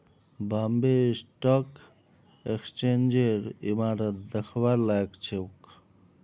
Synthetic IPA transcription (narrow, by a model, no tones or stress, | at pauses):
baːmbesʈak | ekst͡ʃeːnd͡ʒeɾḭmaːɾət̪̚d̪əxʰwaɾlajkt͡ʃʰeuk